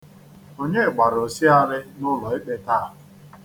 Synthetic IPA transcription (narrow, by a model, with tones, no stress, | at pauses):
o˦ɲe˦˨ɡ͡ba˨ɾo˨si˦a˦ɾɪ˦nʊ˦lɔ˨ɪ˦k͡pe˨˦taː˦˨ɦʊ˨